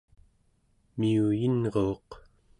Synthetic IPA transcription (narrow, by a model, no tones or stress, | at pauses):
miujinʁoːq